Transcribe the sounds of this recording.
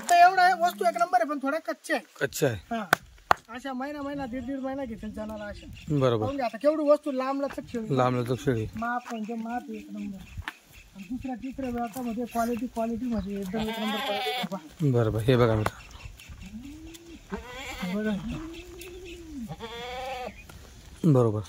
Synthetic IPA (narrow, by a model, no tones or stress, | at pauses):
at̪aeʋɽaɦeʋəst̪uːeknəmbəɾɦep̬əɳt̪ʰoɽakət̪ːɕʰaekətːɕʰaehã | əɕaməinaməjnad̪iɾd̪iːɽməinaɡʱet̪ild͡zaɽ̃alaːɕabəɾobəɾɳɡeat̪akeʋɽuʋəst̪uːlamlat͡s̪əkɕeɽilamlət̪əkɕeɭimapːənd͡ʑemapeknəmbəɾ | ad̪isɾjaʈit̪ɾaʋɭat̪aməd̪ʱːjekʋaliʈ̬iːkʋaliʈ̬iːm̤əd̪jeek̚d̪əmeknəmbəɾkaɾiʈit̪babəɾobəɾɦebəɡamiʈḁ | bəɾ | bəɾobəɾ